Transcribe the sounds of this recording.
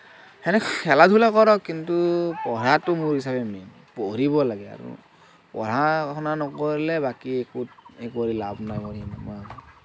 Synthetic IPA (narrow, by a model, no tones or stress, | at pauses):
hɛnɛkkʰɛladʱulakɔɹɔkːintupɔɹatʊmʊɹhisabɛmɛn | poɹibɔlaɡɛa̰ɹṵ | pɔ̰ɹakʰɔnanɔkɔɹlɛbakiekut̚ekoɹilabnajɔɹinama